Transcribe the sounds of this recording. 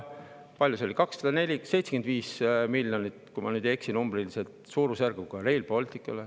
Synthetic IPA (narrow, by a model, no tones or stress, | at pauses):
pɑlʲjuseo̞likɑksselene̞lʲise̞jtse̥end̪viːsmilʲːjonit̪kujmɑ̰nyːd̪e̞ksinumbrilise̞lt̪suːɾusærɡ̥uɡ̥ɑɾe̞lpo̞lʲt̪ikːˑɑle